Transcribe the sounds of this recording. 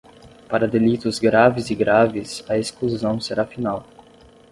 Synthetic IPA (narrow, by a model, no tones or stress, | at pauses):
paɾɐd̪elit̪ʊzɡɾavɪzɪɡɾavɪsɐeskluzɐ̃w̃seɾʔafinaw